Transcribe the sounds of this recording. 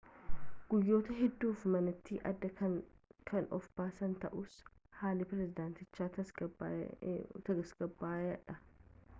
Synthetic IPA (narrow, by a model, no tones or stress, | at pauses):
ɡ̥ʊjːo̞ːt̪ɐɦɛd̪ːuːfmɐnɐt̪ːiːʔɐd̪ːɐ | kʰɐnʔɔ̰fbaːsɐnt̪ɐʔʊs | haːlɪpɪɾɛzɪd̪aːnt̪ɪt͡ʃːaːɐ | t̪ɐɡɐsɡ̥ɐbːaːɐᶑɐ